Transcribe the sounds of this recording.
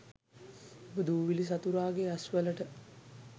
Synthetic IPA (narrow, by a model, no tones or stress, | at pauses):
obəd̪uːʋilis̬at̪uɾaːɡeasʋələʈə